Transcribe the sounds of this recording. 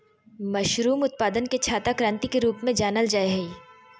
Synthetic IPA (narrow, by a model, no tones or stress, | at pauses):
mɐʃɾuːmʊt̪̚paːd̪ənket͡ʃʰaːt̪akɾãːnt̪ikeɾuːpmẽd͡ʒaːnəld͡ʒaːeɦɛi